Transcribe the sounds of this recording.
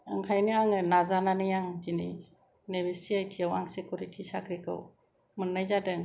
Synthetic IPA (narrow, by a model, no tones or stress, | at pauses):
ɯŋkʰajniaŋɯnazananɯjaŋd͡ʒini | nebesiajtʰiawaŋsekuɾitʰisakʰɾikʰɯ̰w | mɯnːajzadɯŋ